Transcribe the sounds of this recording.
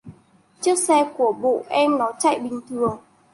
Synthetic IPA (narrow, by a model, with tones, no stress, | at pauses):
t͡ɕɨ˦˥ək̚sɛ˧ku˧˩əɓo̰˧˨ʔɛ˧mnɔ˨˦t͡ɕa̰˧˨jɓï˨˩ŋ̟t̪ʰɨ˨˩əŋ